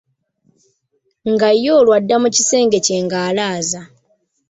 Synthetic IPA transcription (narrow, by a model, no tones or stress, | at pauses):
ŋɡajːo̞ːlwadːamucise̞ːŋɡe̞ce̞ːŋɡaːlaːza